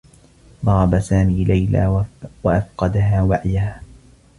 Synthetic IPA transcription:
d̪ˤɑɾˤɑbasaːmiːlajla̰ːwaʔafqɑd̪aɦaːwaʕjahaː

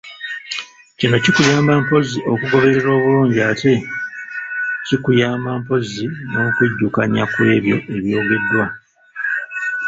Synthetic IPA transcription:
cino̞cikujaːmbampo̞ziʔo̞kuɡo̞βe̞ɾe̞ɾo̞ːβuluːɲɟiatʰe̞ | cikujaːmbampo̞zino̞ːkweɟːukaɲakwe̞ːβjo̞ʔe̞βjo̞ːɡe̞dːwa

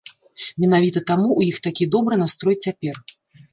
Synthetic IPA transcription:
mʲɛn̪avʲit̪ɐt̪amuʔwjixt̪akʲid̪ɔbɾɨnast̪ɾɔjt͡sʲapʲɛr

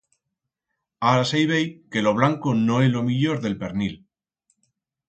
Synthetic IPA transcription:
aɾasejβejke̞lo̞β̞laŋkono̞elo̞miʎo̞ɾðe̞lpe̞ɾnil

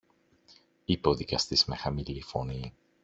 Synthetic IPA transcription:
ipoðikɐst̪izme̞xɐmilifo̞̰ni

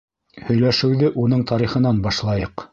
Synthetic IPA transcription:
hɵ̆jlæʃɘ̆wðɘʔunɤɴt̪ɑɾiχɤ̆nɑnbɑʃlˠɑjɤq

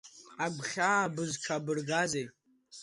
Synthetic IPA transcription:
aɡʷχʲaːbɨzʈ͡ʂʰabɨrɡazejt

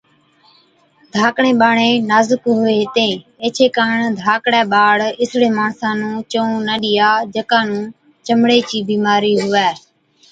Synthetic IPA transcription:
d̪ʱaːkɳẽːɓaːɳẽːnaːzəkɦʊʋeːɦt̪ẽːeːt͡ʃʰeːkaːɳd̪ʱaːkɽɛːɓaːɽɪsɽeːmaːɳsãːnũːt͡ʃõːnəɗɪjaːd͡ʒəkãːnũː | t͡ʃəmɽeːt͡ʃiːbiːmaːɾiːɦʊʋɛː

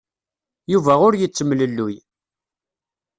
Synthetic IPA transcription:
juvæʁʊɾjət͡sːəmləlːuj

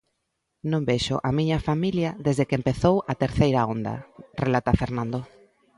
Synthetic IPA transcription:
nõmbeʃʊ̰ʔamiɲɐfamiljɐðezðekempeθowɐt̪eɾθejɾaond̪ɐ̰relat̪afeɾnãnd̪o

